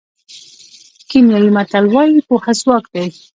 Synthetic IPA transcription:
kimjawimat̪alwɑjixohaswɑk̚d̪aj

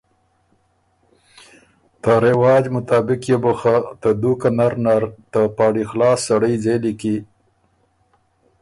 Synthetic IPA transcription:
t̪aɾewɑːd͡ʒmʊt̪ɑːbɪkjebuxat̪əd̪ukanaɾnaɾt̪apɑːɽixlɑːsːaɽəjzeliki

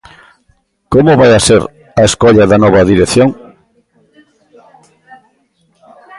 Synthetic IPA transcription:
komoβajaseɾ | ɐeskɔʎɐðɐnɔβɐðiɾeθjoŋ

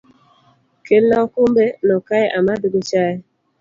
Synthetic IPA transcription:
keakumbenɔkaɛʔamaduɡut͡ʃaɛ

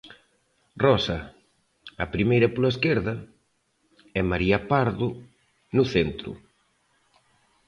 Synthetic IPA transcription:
rɔsɐ | ɐpɾimejɾɐpolaɐeskeɾðɐ | ɛmaɾiɐpaɾðʊ | nʊθent̪ɾʊ̰

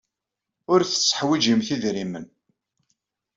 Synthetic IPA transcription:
ʊɾθəsːə̥ħwid͡ʒimθiðɾimə̰n

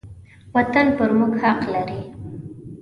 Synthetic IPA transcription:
wat̪anpəɾmuɡhaqlaɾi

